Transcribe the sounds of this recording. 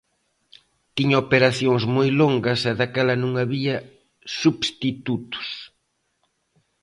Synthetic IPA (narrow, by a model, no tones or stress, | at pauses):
t̪iɲɐopeɾaθjoŋzmojloŋɡɐsɛðakɛlɐnũŋaβiɐ | suβst̪it̪ut̪ʊ̥s